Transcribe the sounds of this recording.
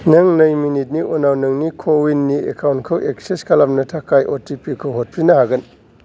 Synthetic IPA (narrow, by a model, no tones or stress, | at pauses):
nɐŋnɐjminit̚niʔonawnɐŋnikʰowinːiekʰawntkʰɐwʔekseskʰalamnɐtʰakʰajʔotipikʰowɦot̚pʰɾinɐhaɡɐn